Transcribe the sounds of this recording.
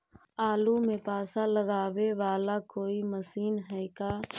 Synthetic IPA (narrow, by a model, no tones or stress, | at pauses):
aːlumẽpaːsãləɡaːʋeʋaːlakoːiməsiːnɦɛːkaː